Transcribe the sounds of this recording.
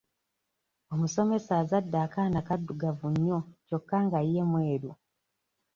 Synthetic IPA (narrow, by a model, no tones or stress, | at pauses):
o̞muso̞me̞saːzadːaːkanakadːuɡavuɲːo̞co̞kːaːŋɡaijemwe̞ːɾu